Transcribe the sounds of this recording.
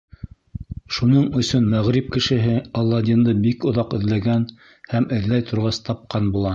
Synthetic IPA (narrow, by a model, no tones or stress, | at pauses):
ʃunɤɴɵ̆sɵnmæʁɾip̚kɘ̆ʃɘ̆ɦɘɑlˠːɑd̪ʲind̪ɤbikŏðɑqɵ̆ðlæɡæn | hæmɘ̆ðlæjt̪ʰŏɾʁɑst̪ʰɑp̚qɑnbulˠɑ